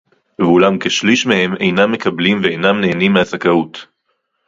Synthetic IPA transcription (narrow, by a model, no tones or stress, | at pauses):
vulamkeʃliʃmehe̞me̞jnamːe̞kɐblimveejnamneːnimːeasakaut